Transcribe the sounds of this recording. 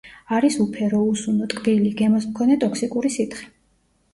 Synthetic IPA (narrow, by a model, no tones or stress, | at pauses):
aɾisupʰɛɾɔusunɔt̪ʼkʼbiliɡɛmɔsmkʰɔnɛt̪ʼɔkʰsikʼuɾisit̪ʰχɛ̥